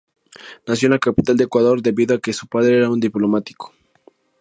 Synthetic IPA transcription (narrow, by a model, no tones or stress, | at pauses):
nasjo̞nakapit̪ald̪ekwaðo̞ɾd̪e̞βiðoake̞su̥paðɾeeɾaund̪iplo̞mat̪i̥kʰo̥